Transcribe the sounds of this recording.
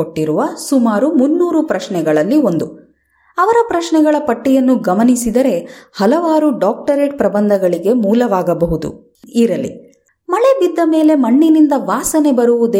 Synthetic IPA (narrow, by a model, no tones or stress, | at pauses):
oʈːiɾuʋɐsumaːɾumunːuːɾupɾɐʃɳɛɡɐɭɐlːio̞nd̪u | ɐʋɐɾɐpɾɐʃɳɛɡɐɭɐpɐʈːijɐnːuɡɐmɐnisid̪ɐɾe̞hɐlɐʋaːɾuɖaːk̚ʈɐɾeːʈ̚pɾɐbɐnd̪ʱɐɡɐɭiɡe̞muːlɐʋaːɡɐbɐɦud̪ṵ | iɾɐlːḭ | mɐɭebid̪ːɐme̞ːle̞mɐɳːinind̪ɐʋaːsɐne̞bɐɾuʋud̪e